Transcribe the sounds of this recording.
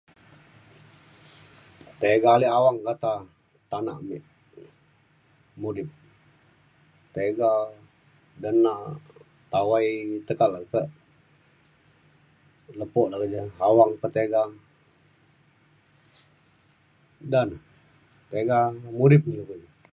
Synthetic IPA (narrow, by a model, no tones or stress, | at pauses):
t̪eɡaliʔawaŋkat̪a | t̪ana̰ʔmiʔ | mudɪp̚ | t̪eɡa | dənːa | t̪awajt̪əkalakəʔ | ləpɔʔlakəd͡ʒəawaŋpət̪eɡa | dan | t̪eɡamudɪp̚niləkəd͡ʒə